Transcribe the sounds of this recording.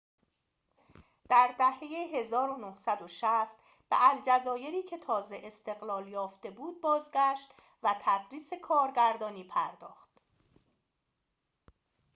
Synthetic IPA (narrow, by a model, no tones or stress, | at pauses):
d̪̥æɾd̪æhejeɦe̞zɒːɾonohsæd̪oʃæst̪ | b̥eʔæld͡ʒæzɒːje̞ɾiːcʰe̞t̪ʰɒːze̞ʔest̪e̞ɣlɒːljɒːft̪e̞buːd̪̚bɒːzɟæʃt̪ | væt̪ʰæd̪ɾiːse̞kʰɒːɾɟæɾd̪ɒːniːpʰæɾd̪ɒːxt̪